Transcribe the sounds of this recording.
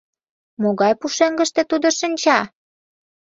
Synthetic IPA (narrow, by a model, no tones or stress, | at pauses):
moɣɑjpuʃeŋɡə̆ʃt̪ĕt̪ud̪oʃənʲt͡ɕɑ